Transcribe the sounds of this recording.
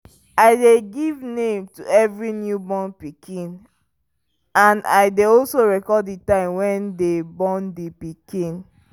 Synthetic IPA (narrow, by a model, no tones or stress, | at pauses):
aɪdeɡivnẽmtuɛvɹinjubɔ̃npikʰĩn | ãnaɪdeɔlsoɹɛkɔditãɪ̃mwɛ̃ndebɔ̃ndipikĩn